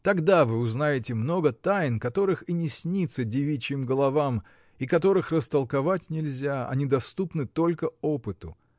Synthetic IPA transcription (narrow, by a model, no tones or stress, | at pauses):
t̪ɐɡd̪avɨʊznajɪtʲɪmno̞ɡət̪ajnkɐt̪o̞ɾɨxinʲɪsʲnʲit̪sədʲɪvʲit͡ɕɪmɡəlˠɐvam | ikɐt̪o̞ɾɨxrəst̪əlˠkɐvatʲnʲɪlʲzʲaɐ̰nʲid̪ɐst̪upnɨt̪o̞lʲkəopɨt̪ʊ̰